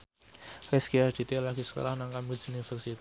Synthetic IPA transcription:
rɛskiard̪̥it̪elaɡ̥isə̥ko̰lahnaŋkambisunifərsit̪i

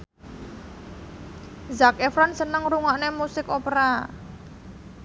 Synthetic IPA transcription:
zakefɾansənəŋɾuŋaʔnemusɪkopɾa

